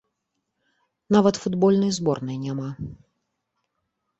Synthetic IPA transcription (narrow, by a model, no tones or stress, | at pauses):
navɐt̪fud̪bɔlʲnɨjzbɔrnɨjnʲama